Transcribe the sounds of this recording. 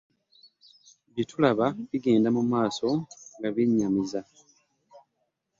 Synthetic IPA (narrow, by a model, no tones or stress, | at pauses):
βitulaβaβiɡe̞ːndamumaːso̞ŋɡaβiɲːamiza